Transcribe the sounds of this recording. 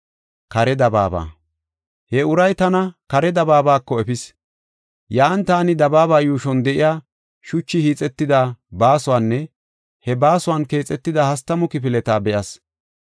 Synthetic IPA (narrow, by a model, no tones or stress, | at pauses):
kɐɾɛd̪ɐba̰ːba̰ː | hɛʊɾɐjt̪ɐnɐkɐɾɛd̪ɐbaːbaːkːɔɛpɪs | jaːnt̪aːnɪd̪ɐbaːbaːjuːʃɔnd̪ɛʔɪjaː | ʃʊt͡ʃːɪhiːt͡sʼɛt̪ːɪd̪abaːsʊwaːnːɛ | hɛbaːsʊwanke̞ːt͡sʼːɛt̪ːɪd̪ɐhɐst̪ːɐmʊkɪpɪlɛt̪aːbɛʔɐs